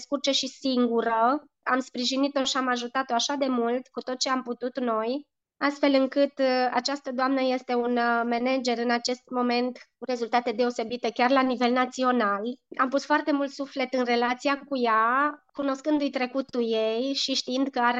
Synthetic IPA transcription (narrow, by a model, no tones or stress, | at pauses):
skurt͡ʃeʃisiŋɡuɾə | a̰mspɾiʒinit̪o̞ʃiamaʒut̪at̪oaʃad̪e̞mult̪kut̪o̞t̪̚t͡ʃeamput̪ut̪no̞j | ast̪fe̞lɨŋkɨt̪a̰t͡ʃast̪əd̪oamnəje̞st̪e̞unme̞ne̞d͡ʒe̞ɾɨnat͡ʃe̞st̪mo̞me̞nt̪kuɾe̞zult̪at̪e̞d̪e̞o̞se̞bit̪ekʲarlanive̞lnat̪sio̞nala̰mpusfoart̪e̞mult̪sufle̞t̪ɨnre̞lat̪sijakujakuno̞skɨnd̪ujt̪ɾe̞kut̪uje̞jʃiʃt̪iind̪kəaɾ